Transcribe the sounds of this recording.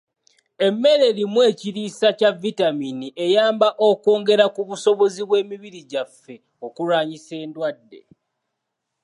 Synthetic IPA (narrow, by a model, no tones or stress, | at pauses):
e̞mːe̞ɾe̞limwe̞ːciɾiːsacavitaminiʔe̞jaːmbaʔo̞ko̞ːŋɡeɾakuβuso̞βo̞ziβwe̞ːmiβiɾiɟafːe̞ | o̞kuɾaːɲise̞ːndwadːe̞̰